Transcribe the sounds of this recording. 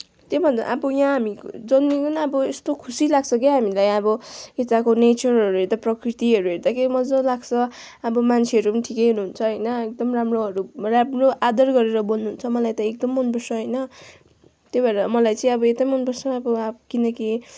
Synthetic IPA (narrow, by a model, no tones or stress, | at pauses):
t̪jebʱʌnd̪a̰ʔabʌjãɦamid͡zʌnmikʌnʌbʌest̪okʰusilaɡ̚t͡sʰʌkeɦamilajʌbʌet̪akonet͡sʌrʌɾuɦeɾd̪aprʌkrit̪iɦʌɾuɦeɾd̪ʌkʰeɾimʌd͡zʌlaɡt͡sʰʌ | ʌbʌmant͡sʰeʌɾupʌniʈʰikejɦunuɦunt͡sʰʌɦʌjnʌek̚d̪ʌmramroɦʌɾuramroʔad̪ʌrɡʌɾeɾʌbolnuɦunt͡sʰʌmʌlajt̪ʌek̚d̪ʌmːʌnbʌrsʰʌɦʌjnʌ | t̪jobaɾʌmʌlajt͡sʌ̃ĩʌbʌet̪amʌnbʌrsʰʌːbʌkinʌki